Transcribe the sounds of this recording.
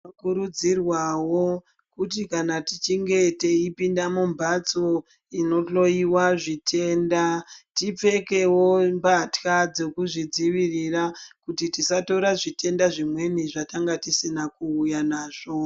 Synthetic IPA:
akuɾud͡zirwawo̞ | kutikanatit͡ʃiŋɡe̞te̞ipindamumbat͡so̞ | ino̞to̞iwaʐitʰe̞ːndatip͡fe̞ke̞wo̞mbatkad͡ze̞kuʐid͡ziʋirirakutitisato̞ɾaʐite̞ndaʐimwe̞niʐataŋɡatisinakuujanaːʐ̥o̞

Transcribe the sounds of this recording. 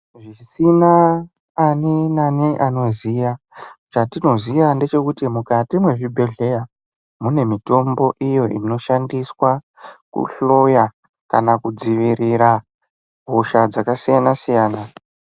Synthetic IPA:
ʐisinaː | ninaniʔano̞zija | t͡ʃatino̞ziʋande̞t͡ʃe̞kutimukatimwe̞ʐibʱe̞ɮe̞ja | mune̞mito̞mbo̞ʔijo̞ʔḭno̞ʃandiswa | kṵɬo̞ja | ka̰nakud͡ziʋiɾiɾa | bʱoʃad͡zakasijanasijaːna

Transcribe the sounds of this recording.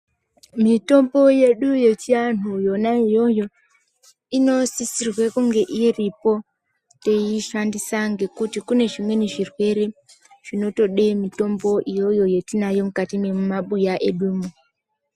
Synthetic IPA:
mitombojeɗujet͡ʃian̥ujonaijojo | inosisirwekuŋɡeʔiɾipo | tejiʃandisaŋɡekutikuneʒimweniʐirweɾi | ʐ̥inotoɗemitomboʔijojojetinajom̩katimemumaɓujaʔeɗumu

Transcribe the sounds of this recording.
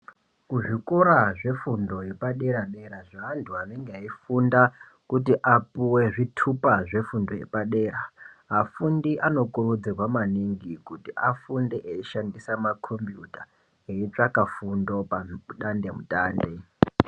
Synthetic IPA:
kuʐikoɾaʐe̞fundo̞je̞paɗe̞ɾaɗeɾaʐaːntʰuɦane̞ŋɡeaifunda | kutiʔapuwe̞ʐitʰupaʐe̞fundo̞je̞̰paɗe̞ːramafundiʔano̞kurud͡zirwamaniŋɡikutiʔafundeʔeiʃandisamakʰompjuta | eit͡ʂakafundo̞pauɗande̞mutʼaːnde̞

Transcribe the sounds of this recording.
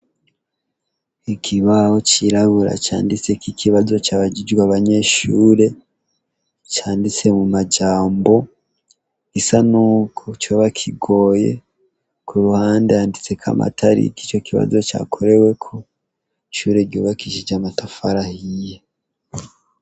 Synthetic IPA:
ikʰiβahot͡ʃiɾaβuɾa̰t͡ʃa̰ːndit͡se̞kikʰiβazo̞t͡ʃaβaɟid͡ʒɡwaβaɲe̞ʃuːɾe̞ | t͡ʃaːndit͡se̞mumad͡ʒaːmbo̞ | ɡ̥isanuːkʰot͡ʃoβakʰiɡo̞ːje̞̰ | kʰuɾuhaːndehaːndit͡se̞kʰa̰ma̰tʰaɾḭkit͡ʃo̞kiβa̰zo̞t͡ʃa̰ːkʰo̞ɾe̞we̞kʰo | iʃuːɾe̞ɾɟo̰βakiʃid͡ʒamatafaɾahije

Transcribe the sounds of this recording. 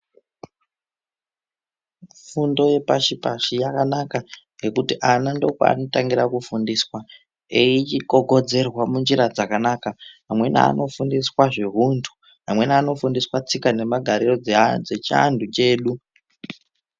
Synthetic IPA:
fundo̞je̞paʃipaʃijakanakaŋɡe̞kutiʔanando̞kwa̰a̰no̞taŋɡiɾakufundiswa | iit͡ʃiko̞ɡʱo̞d͡ze̞rwamund͡ʒiɾad͡zakanakaɦamwe̞na̰ːno̞fundiswaʐiɦuntʰu̥ | ɦamwe̞naːno̞fundiswat͡sikane̞maɡʱaɾiro̞d͡zed͡zet͡ʃa̰ndʱut͡ʃe̞ːɗu

